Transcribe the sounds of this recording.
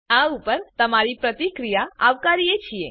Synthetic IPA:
ãupəɾt̪əmaɾipɾət̪ikɾijaaʋkaɾijet͡ʃʰie

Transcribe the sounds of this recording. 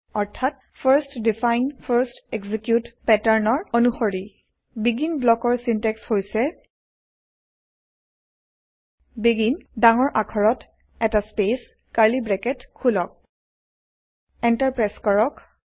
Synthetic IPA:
ɔɹtʰat̚ | pʰaɹstdifajnpʰaɹstɛɡzikjutpɛtaɹnɔɹonuxoɹi | biɡinblɔkɔɹsintɛkshojsɛ | biɡindaŋɔɹʔakʰɔɹɔt | ɛtaspes | kaɹlibɹɛkɛtkʰulɔk̚ | ɛntaɹpɹaskɔɹɔk

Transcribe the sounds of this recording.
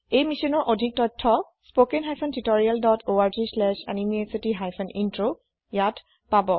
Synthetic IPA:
ejmisɔnɔɹʔodʱik̚tɔtʰːɔ | spokenɦajpʰɔntitɔɹialdɔtʰoaɹzislɛʃa̰nimiesitiɦajpʰɛnintɹo | jat | pabɔ

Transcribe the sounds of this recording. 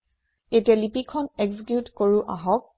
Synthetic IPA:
etialipikʰɔnɛɡzikjutkoɹuʔaɦɔk̚

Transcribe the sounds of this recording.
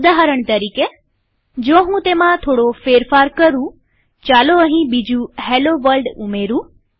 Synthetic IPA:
d̪aɦəɾəɳ̃t̪əɾiːke | d͡ʒõːɦũt̪emãt̪ʰoːɽofeːɾfaːɾkəɾũ | t͡ʃaloəɦĩbid͡ʒũheloʋəlɖʊmeɾũː

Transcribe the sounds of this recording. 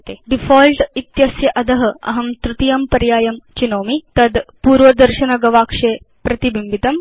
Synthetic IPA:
t̪eːɖifoːlʈit̪jɐsjɐʔɐd̪ɐɦɐ̆ɐ̰ɦɐmt̪ɾut̪ijɐmpɐɾjaːjɐmt͡ʃinoːmit̪ɐd̪puːɾʋɐd̪ɐɾʃɐnɐɡɐʋaːkʂeː | pɾɐt̪ibimbit̪ɐm

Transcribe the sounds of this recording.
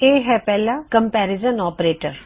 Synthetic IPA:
eːɦɛpɛːlakə̃mpɛːɾɪzənɔːpɾeːʈəɾ

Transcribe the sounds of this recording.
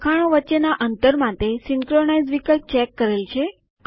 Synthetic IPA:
kʰaɽ̃õʋətːt͡ʃenaʔənt̪əɾmãt̪esiŋkɾonaid͡zʋikəlp̚t͡ʃɛkːəɾelt͡ʃʰe

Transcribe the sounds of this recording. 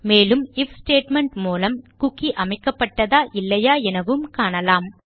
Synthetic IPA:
meːlɯmɪfsʈeːʈmɛɳʈmuːlɐmkʊkːiʔɐmɐɪkːɐpːɐʈːɐðaːʔɪlːɐjaːɛnɐʋɯmkaːɳɐlaːm

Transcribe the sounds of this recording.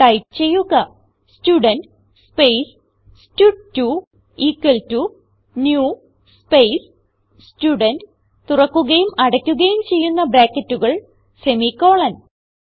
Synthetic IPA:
ʈɐjp̚t͡ɕe̞jːuɣɐ | stuːɖɐnɖ | spejs | stutːu | iːkːwɐltːu | njuː | spejs | stuɖɐnd | t̪urɐkːuɣɐjumɐɽɐkʲːuɣɐjumt͡ɕe̞jːunːɐbɾaːkːɐtːuɣɐɭ | semikːo̞ːɭɐn

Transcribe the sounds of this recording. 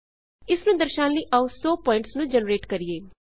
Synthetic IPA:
ɪsnũːd̪əɾʃãːnləiːʔausɔːpɔːɪ̃ɳʈsnũːd͡ʒənɾeːʈkəɾijeː

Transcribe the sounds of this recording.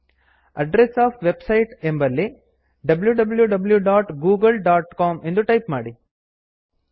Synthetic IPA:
ɐɖɾesaːfʋebsɐjʈembɐlːi | ɖɐbljuɖɐbljuɖɐbljuɖaːʈɡuːɡɐlɖaːʈkaːmend̪uʈɐjpmaːɽi

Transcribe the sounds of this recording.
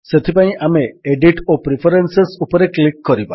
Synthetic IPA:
set̪ʰipaĩʔameːɖiʈopɾipʰɔɾensesupɔɾeklikːɔɾiba

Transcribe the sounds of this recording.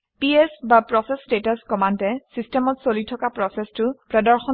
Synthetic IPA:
piɛsbapɹɔsɛsdetaskɔmantɛsistɛmɔtsolitʰɔkapɹɔsɛstʊpɹɔdaɹxɔ

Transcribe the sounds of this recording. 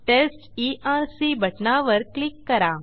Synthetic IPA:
t̪es | iʔaɾsibʱəʈnaʋəɾklikːəɾa

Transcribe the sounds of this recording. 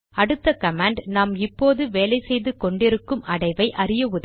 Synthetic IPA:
ɐɽɯt̪ːɐkɐmaːɳɖnaːmɪpːoːðɯʋeːlɐɪsɛjðɯkɔɳɖɪɾɯkːɯmɐɽɐɪʋɐɪʔɐrɪjɐʊð

